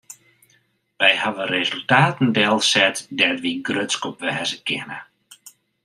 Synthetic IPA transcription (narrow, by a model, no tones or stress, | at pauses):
ʋɛjhaʋərezəlˠtaːtn̩dɛlˠsɛtdɛtʋiɡrøtskɔpʋɛːzəkʰɪ̰nə̰